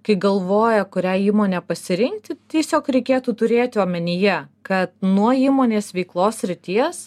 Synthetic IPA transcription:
kɐɪɡɐlˠʋoːjɛkʊɾʲæːiːmoːnʲɛpɐsʲɪɾʲɪŋkt̪ʲɪt̪ʲiɛsʲoːkɾʲɛɪkʲeːt̪uːt̪ʊɾʲeːt̪ʲɪɐːmʲɛnʲɪjɛkɐt̪nuɔiːmoːnʲeːsʋʲɛɪklˠoːsʲsʲɾʲɪt̪ʲiɛs

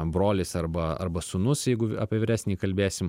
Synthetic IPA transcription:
broːlʲɪsɐɾbɐɐ̰rbɐsʊnʊsjɛɪɡʊɐ̰ːpʲiːʋʲɪɾʲæːsʲnʲiːkɐlʲbʲeːsʲɪm

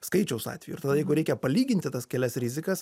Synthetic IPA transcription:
skɐɪt͡ʃʲɛʊsɑ̰ːt̪ʲʋʲɛjṵʊɪɾt̪ɐd̪ɐjɛɪɡʊɾʲɛɪkʲɛpɐlʲiːɡʲɪnʲt̪ʲɪt̪ɐskʲɛlʲɛsɾʲɪzʲɪkɐs

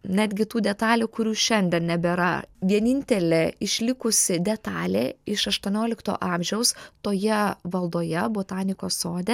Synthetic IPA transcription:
nʲæːd̪ʲɡʲɪt̪uːd̪ʲɛt̪ɑːlʲuːkʊɾʲuːʃʲɛnʲd̪ʲɛnnʲɛbʲɛɾɐ̰ʋʲiɛnʲɪnʲt̪ʲɛlʲeɪʃʲlʲɪkʊsʲɪd̪ʲɛt̪ɑːlʲeːɪʃɐʃt̪uɔnʲoːlʲɪkt̪o̰ːʔɑːmʲʒʲɛʊst̪oːjɛʋɐlˠd̪oːjɛboːt̪ɑːnʲɪkoːsoːd̪ʲe

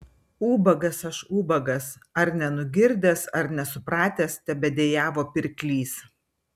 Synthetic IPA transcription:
uːbɐɡɐsɐʃuːbɐɡɐsɐɾnʲɛnʊɡʲɪɾʲd̪ʲɛːsɐɾnʲɛsʊpɾɑːt̪ʲeːst̪ʲɛbʲɛd̪ʲeːjæːʋoːpʲɪɾʲkʲlʲiːs

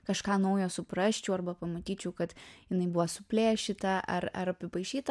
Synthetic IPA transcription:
kɐʃkɑːnɐʊjoːsʊpɾɐʃʲt͡ʃʲɛːɐrbɐpɐmɐt̪ʲiːt͡ʃʲɛʊkɐt̪jɪnɐɪbuʋɐsʊpʲlʲeːʃʲit̪ɐʔɐ̰rɐ̰ɾɐpʲɪpɐɪʃʲiːt̪ɐ

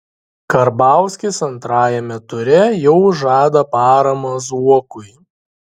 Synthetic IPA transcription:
kɐɾbɑˑʊsʲkʲɪsɐnt̪ɾɑːjɛmʲɛt̪ʊɾʲɛjɛʊʒɑːd̪ɐpɑːɾɐmɐzuɔkʊɪ

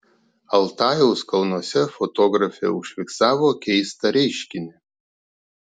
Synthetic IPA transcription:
ɐlˠt̪ɑːjɛʊskɐlˠnuɔsʲɛfot̪oːɡɾɐfʲɛ̰ʊʃʲʋʲɪksɑːʋoːkʲɛɪst̪ɐɾʲɛɪʃʲkʲɪnʲɪ

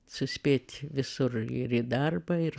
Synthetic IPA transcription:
sʊsʲpʲeːt̪ʲʋʲɪsʊrɪ̰ɾid̪ɐrbɐɪɾ

